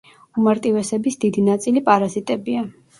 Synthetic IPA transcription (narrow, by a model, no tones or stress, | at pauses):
umaɾt̪ʼivɛsɛbisd̪id̪inat̪sʼilipʼaɾazit̪ʼɛbia